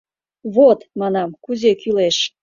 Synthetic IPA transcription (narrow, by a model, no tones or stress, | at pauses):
βot̪mɑnɑmkuzekyleʃ